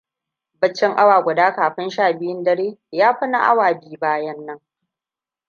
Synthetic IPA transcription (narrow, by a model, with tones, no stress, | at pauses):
bɐ˦t͡ʃːɪ˦ŋʔa˦waː˨ɡʷʊ˨daː˦kaː˨ɸɪ˦nʃaː˦˨bɪ˦jɪ˦ndɐ˦ɽeː˦jaː˦ɸɐ˦na̰˦ʔa̰˦waː˨biː˦baː˦jɐ˦nːɐ˦ŋ